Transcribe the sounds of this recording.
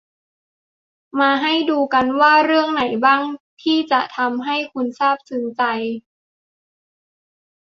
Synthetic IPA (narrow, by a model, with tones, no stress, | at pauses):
maː˧ɦa˥˩jduː˧ka˧nwaː˥˩ɾɯ˥˩əŋna˨˩˦jbaː˥˩ŋt̪ʰiː˥˩t͡ɕa˨˩t̪ʰa˧mɦa˥˩jkʰu˧nsaː˥˩p̚sɯ˨˩˦nt͡ɕa˧j